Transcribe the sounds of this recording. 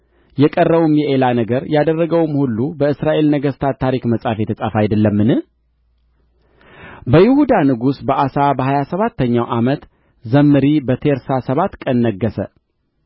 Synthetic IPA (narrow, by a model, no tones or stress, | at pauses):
jɛkʼərːəβumjɛʔelanəɡəɾjad̪ərːəɡəwmhulːubəɨsɾaʔe̞lnəɡəst̪ʰat̪ʰːaɾikməsʼafjɛt̪ʰəsʼafajd̪əlːəmːɨnɨh | bəjɪhud̪anɨɡusbəʔasabəhajasəβat̪ːəɲːawʔamət̪ | zəmːɨɾibət̪ʰeɾsasəβat̪ːkʼənːəɡːəsə̰